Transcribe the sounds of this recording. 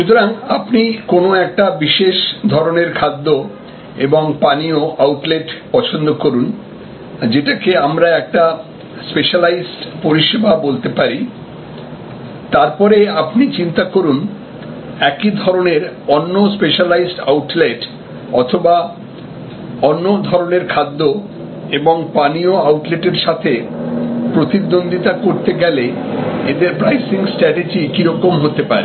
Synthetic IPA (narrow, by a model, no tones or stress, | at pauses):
ʃut̪oɾaŋapnikonoɛk̚ʈabiʃeʃd̪ʱɔɾoneɾkʰad̪ːo | eboŋpanioʔawʈleʈpɔt͡ɕʰond̪okoɾun | d͡ʑeʈakeamɾaɛk̚ʈa | speʃalajsʈpoɾiʃebabolt̪epaɾi | t̪aɾpɔɾeapnit͡ɕint̪akoɾun | ɛkid̪ʱɔɾoneɾɔnːospeʃalajsʈawʈleʈ | ɔt̪ʰoba | ɔnːod̪ʱɔɾoneɾkʰad̪ːo | eboŋpanioawʈleʈeɾʃat̪ʰe | pɾot̪id̪ːond̪ʱit̪akoɾt̪eɡɛleed̪eɾpɾajsiŋsʈɾɛʈed͡ʑikiɾɔkomɦot̪epaɾe